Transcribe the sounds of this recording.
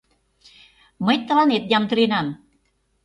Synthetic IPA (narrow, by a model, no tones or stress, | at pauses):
məjt̪ːəlanet̪̚jamt̪ɾinan